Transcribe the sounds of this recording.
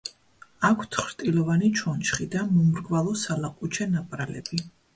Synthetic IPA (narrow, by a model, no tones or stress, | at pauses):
akʰt̪ʰχɾt̪ʼilɔvanit͡ʃʰɔnt͡ʃχid̪amumɾɡvalˠɔsalaqʼut͡ʃʰɛnapʼɾalɛ̰bi